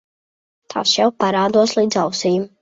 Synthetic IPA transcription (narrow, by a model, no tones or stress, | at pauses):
t̪ʰa̰ːsjɛwpaɾaːd̪uɔslˠiːd̪zawsijum